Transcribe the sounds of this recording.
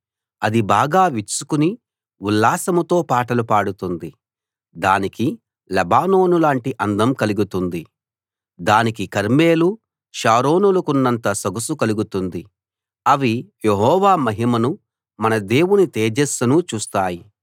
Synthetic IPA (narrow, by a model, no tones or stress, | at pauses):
ɐd̪ibaːɡaːʋisu̥kuni | ulːaːsɐmɐt̪o̞ːpaːʈɐlupaːɽut̪und̪i | d̪aːniki | lɛbaːno̞ːnulaːɳʈiʔɐnd̪ɐmkɐliɡut̪und̪i | d̪aːnikikɐɾme̞ːlu | ʃaːɾo̞ːnulɐkunːɐnt̪ɐsɐɡusukɐluɡut̪und̪i | ɐʋijeɦɔːʋaːmɐɦimɐnu | mɐnɐd̪e̞ːwunit̪eːd͡ʒesɐnut͡ʃuːst̪aːji